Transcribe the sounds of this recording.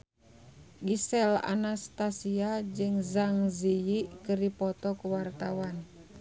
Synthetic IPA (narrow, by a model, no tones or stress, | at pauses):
ɡisɛla̰nast̪asiad͡ʒɨŋzaŋzijiʔkɨripɔt̪ɔkuwart̪awan